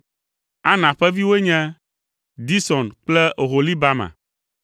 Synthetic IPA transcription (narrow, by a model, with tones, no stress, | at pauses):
a˦nã˨ɸɛ˦vi˦we˦ɲɛ̃˦ | d̪i˦sɔ˨nk͡plɛ˦ʔo˨ɦo˨li˦ba˦mã̰˨